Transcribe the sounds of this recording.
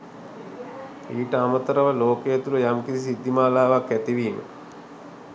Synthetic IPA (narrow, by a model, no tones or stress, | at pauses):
iːʈəamət̪əɾəʋəloːkejət̪uləjamkiɾis̬id̪ʱːimaːlaːʋakːæt̪iʋiːmə̰